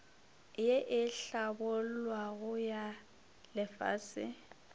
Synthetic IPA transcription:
jeʔɪɬabʊlwaɣʊja | lɪfa̰ːsɪ̰

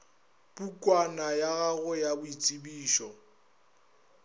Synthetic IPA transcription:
pukʼwanajaɣaɣʊjabʊit͡sʼibiːʃɔ

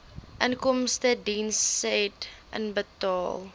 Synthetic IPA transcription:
ʔənkɔmstədinstʔə̰nbətɑːlˠ

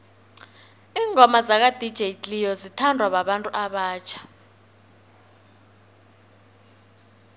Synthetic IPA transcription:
iːŋʱɔmazak̬ad̥ʱid̥ʒ̥ʱetʼlijɔzitʰandʱwaɓaɓantʼuʔaɓaːt͡ʃʰḁ

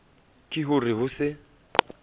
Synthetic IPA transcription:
kʼɪɦʊrɪɦʊsɪ

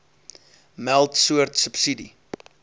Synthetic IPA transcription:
mælˠtsuərtsəpsidḭ

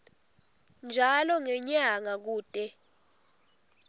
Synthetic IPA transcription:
nd͡ʒʱalɔŋɛɲaŋak̬uːtʼɛ

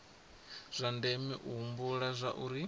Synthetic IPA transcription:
z̥ʷandɛmiʔuɦumbuɺazʷaʔuɾi

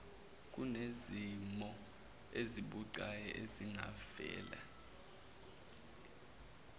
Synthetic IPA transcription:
k̬ʼunezimɔ | eziɓuǀajɛʔeziŋa̰vɛ̰ːla̰

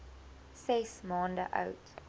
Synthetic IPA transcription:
sɛsmɑ̃ːndə̰ʔa̰wt

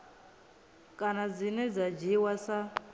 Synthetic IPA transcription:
kʼanad͡zinɛd͡zad͡ʒiwasa

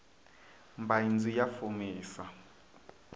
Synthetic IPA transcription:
mbʱajind͡zʱijafumiːsa

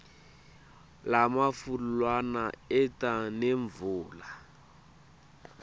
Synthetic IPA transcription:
lamafulwanaɛtaneɱvuːla

